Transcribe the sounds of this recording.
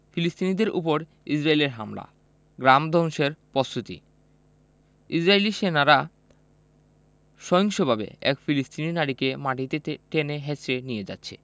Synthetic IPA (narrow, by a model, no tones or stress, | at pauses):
filist̪inid̪eɾʔṵp̬oɾ | isɾaeleɾɦamla̰ | ɡɾamd̪ʱɔŋʃeɾpost̪ʰut̪ḭ | id͡ʑɾaeliʃenaɾa | ʃɔjiŋʃobʱabḛɛ̰kfilist̪ininaɽikemaʈit̪eʈeneɦet͡ɕɾenijed͡ʑa̰tːɕʰḛ